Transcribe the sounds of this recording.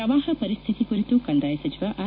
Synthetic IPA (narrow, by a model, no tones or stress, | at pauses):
ɐʋaːɦɐpɐɾist̪ʰit̪ikuɾit̪ukɐɳd̪aːjsɐt͡ʃiʋaʔa